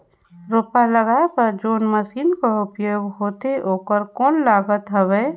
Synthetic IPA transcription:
ɾoːpaləɡaːepəɾd͡ʒoːnməsiːnkoʊpjoːɡɦoːt̪eoːkəɾkɔːnlaːɡət̪ɦəʋeː

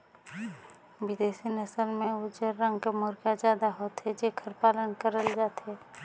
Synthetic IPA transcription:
wɪd̪eːsinəsəlmẽʊd͡ʒəɾːə̃ŋɡkamoːɾkjazjaːd̪aɦoːt̪ɦɛd͡ʒekʰəɾpaːlənkəɾəld͡ʒaːt̪ɦɛː

